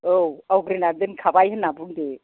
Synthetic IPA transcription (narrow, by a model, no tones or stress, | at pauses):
owawɡɾinadɯnkʰabajɦɯnːabunde